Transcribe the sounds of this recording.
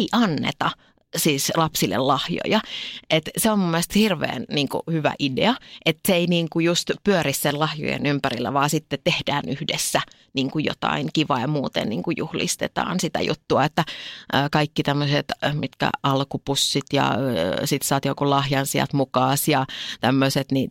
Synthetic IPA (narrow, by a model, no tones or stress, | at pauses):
iʔɑnːḛt̪ɑ | siːslɑpsilːḛllɑhjo̰jɑʔet̪seommumːelst̪hirʋḛːnniːŋkṵhyʋæ̰ʔidḛɑʔet̪seeiniːŋkujust̪pyøɾissellɑhjo̰jḛnympærilːæʋɑːsit̪ːet̪t̪ehdæːnyhdesːæ | niːŋkujo̰t̪ɑ̰iŋkiʋɑjɑmuːt̪ḛnniːŋkujuhlḭst̪et̪ɑ̰ːnsit̪æ̰jṵt̪ːuɑet̪ːæʔəːkɑikːit̪æmːøset̪mit̪kæ̰ʔɑlkupusːit̪jɑ̰sit̪sɑːt̪jokulɑhjɑnsiɑ̰t̪mukɑːsjɑt̪æmːøset̪ni